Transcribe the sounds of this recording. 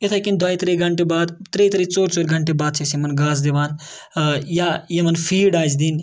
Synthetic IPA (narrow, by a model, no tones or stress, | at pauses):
et̪ʰɐkind̪aːit̪ɾeɡʱɐɳʈebaːd̪t̪ɾet̪ɾit͡soːɾt͡ʃoːɾɡʱɐɳʈebaːd̪̚t͡ʃʰesimɐnɡaːzd̪eʋaːn | jajemɐnpʰiːɖaːd͡ʒd̪iːn